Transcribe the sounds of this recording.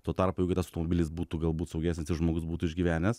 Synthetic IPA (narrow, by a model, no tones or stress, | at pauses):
t̪oːt̪ɐɾpoːɛɡɪt̪ɐsɐʊt̪omobʲɪlʲɪsbuːt̪uɡɐlˠbuːt̪sɐʊɡʲæːsʲnʲɪsɪʃʒmoːɡʊsbuːt̪uɪʒʲɡʲiʋʲæːnʲɛs